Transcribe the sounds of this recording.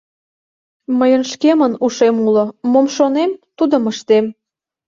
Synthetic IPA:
məjə̆nʃkemənuʃemulɤ̆momʃonemt̪ud̪ə̆məʃt̪em

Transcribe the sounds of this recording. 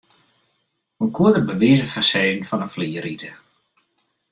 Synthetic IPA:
əkʰuədəbəʋiːzəfəsɛːnfɔnəfliːəɾitə

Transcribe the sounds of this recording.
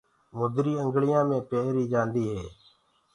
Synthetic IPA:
mʊd̪ɾiːəŋɡɭɪjãːmẽːpeːɾiːd͡ʒãːnd̪iːɦeː

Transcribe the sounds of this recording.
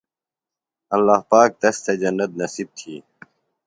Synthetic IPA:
ɐlːaːhpaːk̚t̪ɐst̪ʰed͡ʑɐnːɐt̪̚nɐsib̚t̪ʰiː

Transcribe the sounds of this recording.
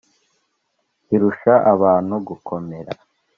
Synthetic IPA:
iɾuʃaʔaβaːn̥huɡukʰo̞me̞ɾa̰

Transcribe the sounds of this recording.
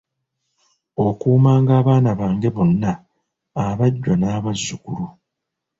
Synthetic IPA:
o̞kuːmaːŋɡaːβaːnaβaːŋɡe̞βo̞nːaː | βaɟːanaːβazːukuɾu

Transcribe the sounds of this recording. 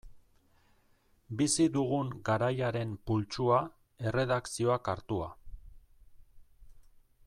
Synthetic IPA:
bisiðuɣuŋɡaɾajaɾe̞mpult͡ʃua | e̞re̞ðaksio̞akaɾt̪ua

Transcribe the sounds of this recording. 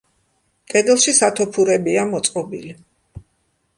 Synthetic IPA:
kʼɛd̪ɛlˠʃisat̪ʰɔpʰuɾɛbiamɔt̪sʼqʼɔbḭli

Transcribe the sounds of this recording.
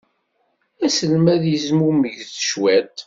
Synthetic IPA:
æsəlmæðjəzmuməʝθə̥ʃwæt̪

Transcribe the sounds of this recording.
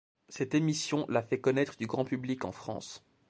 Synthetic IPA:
sɛt̪emisjɔ̃lafɛkɔnɛt̪χəd̪yɡʁɑ̃pyblikɑ̰̃fχɑ̰̃s

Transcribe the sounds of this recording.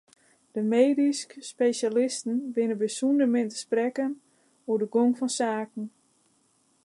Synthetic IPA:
d̥əmeːdiskspejʃalɪstn̩ʋɪnəbəsundəmɪntə̥sprɛkən | uədəɡoŋfɔnsaːkən̩

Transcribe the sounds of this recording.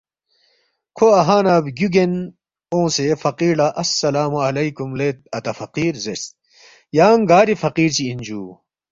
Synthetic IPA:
kʰoɐɦaːnabɡuɡen | õːsefɐqiːɖaʔɐsːɐlaːmuɐlɐjkumleːt̪̚ɐt̪ɐfɐqiːɾzest̪̚ | jaːŋɡaːɾifɐqiːɾt͡ɕiːnd͡ʑuː

